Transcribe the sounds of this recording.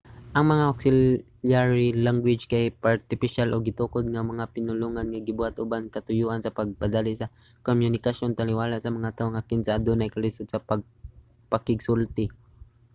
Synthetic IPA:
ʔɐŋmɐŋaʔoksɪl | jaɹilaŋɡwɪd͡ʒkajpaɾt̪ɪpɪʃalʔoɡɪt̪ukod̪̚ŋamɐŋapɪnʊluŋanŋaɡɪbuhat̪ʔʊbankɐt̪ʊjuːʔansɐpɐɡ̚pad̪alɪsɐ | komjʊnɪkaʃonpɐlɪwaːlaʔsɐmɐŋat̪aːʔoŋʔakɪnsaad̪onajkɐlɪsʊd̪̚sɐpɐɡ̚ | pɐkɪɡsʊlt̪ɪ

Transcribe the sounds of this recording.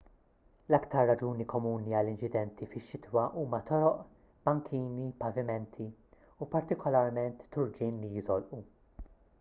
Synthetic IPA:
lɐkt̪ɐɾːɐd͡ʒuːnikɔmuːniɐlːɪnt͡ʃɪd̪ɛnt̪ifɪʃːɪt̪wɐʔuːmɐt̪ɔɾɔʔ | b̥ɐŋkʰiːnipɐvɪmɛnt̪ʰi | upɐɾt̪ɪkɔlɐɾmɛnt̪ːʊɾd͡ʒɪːnlijɪzɔlʔu

